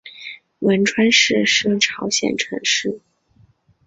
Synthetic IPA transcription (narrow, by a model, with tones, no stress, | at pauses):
wə˧˥nʈ͡ʂʰwa˥nʂɻ̩˥˧ʂɻ̩˥˩ʈ͡ʂʰɑ˧˥ʊɕjɛ̰˨˩nʈ͡ʂʰɤ̰˧˥ŋʂɻ̩˥˩